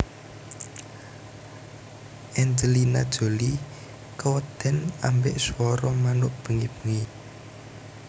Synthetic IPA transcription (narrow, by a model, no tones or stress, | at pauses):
ʔɛnd͡ʒəlinad̥ʒ̥o̤li | kəwəd̪̥ɛ̤nambɪʔswɔɾɔmanʊʔb̥ə̤ŋib̥ə̤ŋi